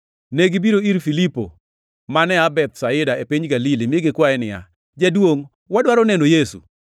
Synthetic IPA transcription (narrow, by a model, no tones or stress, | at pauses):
neɡibiɾoiɾfilipo̰ | manɛabɛt̪saɪdaepiɲɡalilimɪeɡɪkwaɛnɪja̰ | d͡ʒadwoŋ | wadwaɾonɛnojesṵ